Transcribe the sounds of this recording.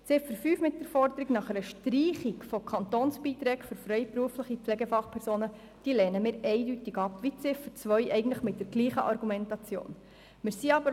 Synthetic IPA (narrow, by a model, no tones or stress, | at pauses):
t͡sɪfəɾfyːfmɪt̚d̥əɾfɔɾdəɾiɡnɑχɛɾəʃtriːχikfokʰɑnt̪oːnsb̥iːt̪ɾɛːkføɾfɾɛjpɾuəfləχipflɛɡɛfɑχpʰɛɾsoːnə | d̥iːlɛːnəmɪːɾɛɪdytɪɡɑpʋit͡sɪfət͡sʋœʏʔɛɪɡn̩tləχmɪt̚d̥əɾɡ̥liːχəʔɑɾɡumɛntɑt͡sjo̰ːn | mɪːɾsiɑbəɾ